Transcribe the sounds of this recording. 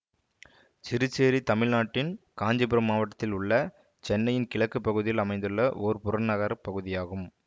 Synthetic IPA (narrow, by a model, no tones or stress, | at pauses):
t͡ʃɪɾɯt͡ʃːeːɾit̪ɐmɪɭnaːʈːɪnkaːɲd͡ʒɐpɪɾɐmːaːʋɐʈːɐ̥t̪ːɪlʊɭːɐ | t͡ʃɛnːɐjɪnkɪɭɐkːɯpːɐɣɯðɪjɪlɐmɐɪnd̪ɯɭːɐʔoːɾpʊɾɐɳnɐɣɐɾɐpːɐɣɯðɪjaːɣɯm